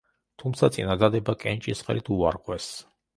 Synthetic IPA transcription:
t̪ʰumt̪sʰat̪sʼinad̪ad̪ɛbakʼɛnt͡ʃʼisχɛ̰lit̪ʰuaɾʁʼwɛs

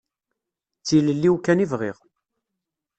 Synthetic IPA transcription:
t͡sːiləlːiwkːænivʁɪ̰ʁ

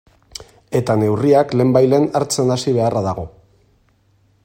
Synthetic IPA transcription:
e̞t̪ane̞wriakle̞ːmbajle̞ːnaɾt͡se̞nasiβ̞e̞araðaɣ̞o̞

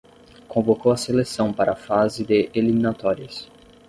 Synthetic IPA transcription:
kõvokowɐselesɐ̃w̃paɾɐːfazɪd̪ɪʔelimĩnat̪ɔɾiʊs

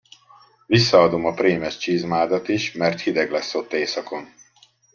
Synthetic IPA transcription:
visːɒːd̪o̞mɒpreːmɛʃt͡ʃiːzmaːd̪ɒt̪iʃmɛrt̪hid̪ɛɡlɛsːo̞t̪ːeːsɒko̞n

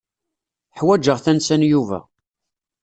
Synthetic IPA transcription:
ħwæd͡ʒəʁθænsænjuvæ̰

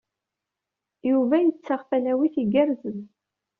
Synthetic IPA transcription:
juvæjət͡sːaʁfælæwiθiɡæɾzən

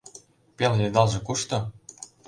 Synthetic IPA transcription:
pʲeljed̪ɑlˠʒĕkuʃt̪ɤ̆

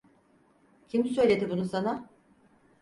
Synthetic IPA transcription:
cʰimd̪isø̞jlʲe̞d̪ibunusana

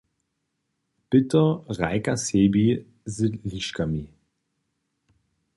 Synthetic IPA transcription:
b̥ɪtɐʁaɪkaseːbi | zɪliʃkami

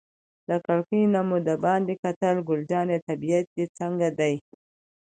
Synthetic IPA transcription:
d̪əkaɽkinamud̪əbɑnd̪ekat̪əlɡʊld͡ʒɑnet̪abijat̪̚d̪et͡səŋɡad̪aj

